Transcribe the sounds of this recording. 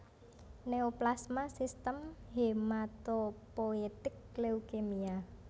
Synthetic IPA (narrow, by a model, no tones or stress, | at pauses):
neoplasmasist̪əmhemat̪opoet̪ɪk̚leukemia